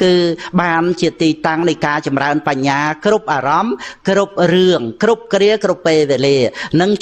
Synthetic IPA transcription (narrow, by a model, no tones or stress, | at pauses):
kɨːɓaːnt͡ɕiət̪iːt̪aŋnɨjkaːt͡ɕɑmraənpaɲːaːkrup̚ʔaːrɑmkrup̚rɨəŋkrup̚kriəkrupːeːʋeliənɨŋ